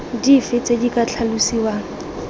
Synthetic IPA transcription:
difɪt͡sedikʼat͡ɬʰalusiːwaːŋ̩

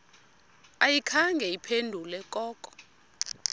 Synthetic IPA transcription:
ajikʰaŋɡʱɛipʰendʱulɛkʼɔːkʼɔ̥

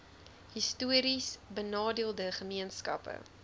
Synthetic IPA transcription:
ɦistuəɾisbənɑːdiəlˠdəχəmiənskɐ̰pə̰

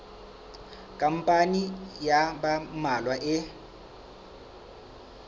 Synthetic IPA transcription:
kʼam̩pʼanijabamalwaʔɪ

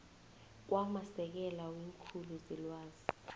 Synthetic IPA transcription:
k̬wamasɛk̬ɛlawiŋkʰuluzilwaːz̥i

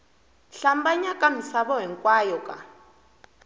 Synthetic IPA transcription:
ɬambaɲakʼamisaβɔɦɛŋkʼwaːjɔkʼa

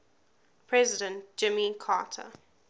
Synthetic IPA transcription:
pʰɹɛzɪdə̃nt̚d͡ʒ̥ɪmikʰa̰ːtʰə̰

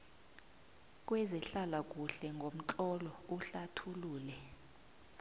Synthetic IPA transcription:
k̬ʼwɛzɛɬalak̬ʼuɬɛŋɡʱom̩t͡ɬʼɔlɔuɬatʰuluːlɛ

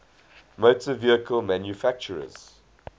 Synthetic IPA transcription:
moːtəviəkʰəlmæ̃njufæk̚t͡ʃəɹə̰z̥

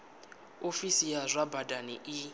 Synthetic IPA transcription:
ofisijazʷabadaniʔi

